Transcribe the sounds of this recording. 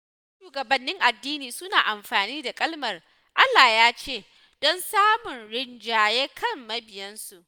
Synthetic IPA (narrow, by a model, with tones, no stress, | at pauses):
ʃuː˨ɡɐ˨bɐ˨nːɪ˦ŋʔa˨dːiː˦niː˨sʊ˦naː˨ʔa˨mɸaː˨niː˦da˨kʼɐ˦lmɐ˨r | ʔa˦lːaː˨jaː˦t͡ʃeː˦˨ | d̥ɔ˦nsaː˦mʊ˨nɽɪ˦nd͡ʒaː˨jeː˦kʰɐ˦˨mːɐ˦bɪ˨jɐ˦nsu˨ʔ